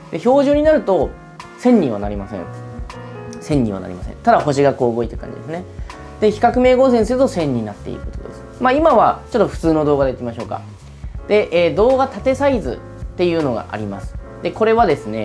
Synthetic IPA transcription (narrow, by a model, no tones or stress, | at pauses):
d̪e̞ço̞ːʑɨːɲ̟inaɾɯ̟t̪o̞ | sẽ̞ɲːʲĩβa̰naɾʲimasḛ̃ɴ | sẽ̞ɲʲːḭ̃βa̰na̰ɾʲḭmasḛ̃nt̪ad̪aɦo̞ɕiɡako̞ːɯɡo̞it̪ːekã̰ɲd͡ʑid̪e̞s̬ɨne̞ | d̪̥eçi̥kakɯ̟me̞ːɡo̞ːs̬ẽs̬ɨɾɯ̟t̪o̞sẽ̞ɲ̟ʲːinat̪ːe̞̰ḭɾɯ̟ko̞t̪o̰d̪e̞̰sɨ̥maimaβat͡ɕo̞t̪ːo̞ɸɯ̟̥t͡sɨːno̞d̪o̞ːɡad̪eikʲimaɕo̞ːka̰ | d̪̥e̞ʔeːd̪o̞ːɡat̪at̪e̞said͡zzɨ̰ | t̪ːe̞jɯ̟ːno̞ɡa̰ʔa̰ɾʲimasɨ̥ | d̪̥e̞ko̞ɾe̞βad̪e̞sɨne̞̰